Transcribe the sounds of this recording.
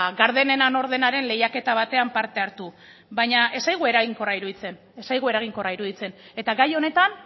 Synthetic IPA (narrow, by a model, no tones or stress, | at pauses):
ɡaɾðe̞ne̞nano̞ɾðe̞naɾe̞nle̞jake̞t̪aβ̞at̪e̞ampaɾt̪e̞aɾt̪u | bajɲaʔe̞sajɣ̞ue̞ɾaɣiŋko̞raiɾuðit͡se̞n | e̞sajɣ̞ue̞ɾaɣ̞iŋko̞raiɾuð̞it͡se̞ne̞t̪aɣajo̞ne̞t̪an